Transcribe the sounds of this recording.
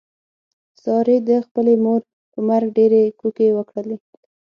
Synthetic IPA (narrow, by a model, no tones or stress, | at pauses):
sɑɾed̪əxpəlemoɾ | pəmaɾɡɖeɾekukewəkɽəle